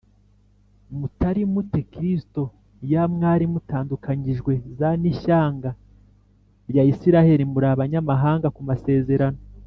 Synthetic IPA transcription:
mutaɾimutekɾisto̞ | jamŋaːɾimutaːndukaɲiʒɡwe̞zaniʃaːŋɡa | ɾjaisiɾahe̞ɾimuɾaβaɲamaɦaːŋɡakumase̞ːze̞ɾano

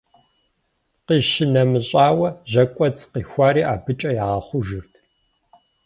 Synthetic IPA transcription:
qiːʃɪnɐmɨɕʼaːwɐʑɐkʷʼɔt͡sʼqiːxʷaːɾiːʔa̰ːbɨt͡ʃʼɐjaːʁɐχʷʊʒɨrtʰ

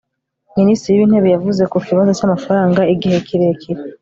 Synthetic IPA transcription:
ministɾijiβiːn̥he̞βejavuze̞kukiβazo̞t͡ʃamafaɾaːŋɡaiɡihe̞kʰiɾe̞kʰiɾe

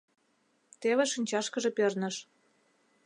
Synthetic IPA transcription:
t̪eβeʃinʲt͡ɕɑʃkə̆ʒĕpørnə̆ʃ

